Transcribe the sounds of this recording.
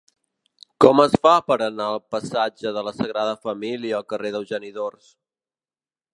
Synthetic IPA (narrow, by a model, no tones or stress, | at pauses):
kɔməsfapəɾənaəlˠpəsad͡ʒəðələsəɣɾaðəfəmiliəːlˠkəreðəlˠʒəniðors